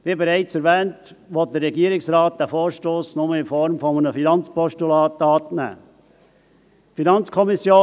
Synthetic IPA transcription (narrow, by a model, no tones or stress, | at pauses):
ʋibɛɾæɪt͡sɛɾʋɛːntʋɔt̚d̥ərɾɛɡiəɾɪksɾɑːt̚d̥æfoːɾʃtoːsnʊməɪnfɔɾmfɔmənəfinɑnt͡spɔʃtulɑːtɑːtnæ̰ː | finɑnt͡skʰɔmisjoː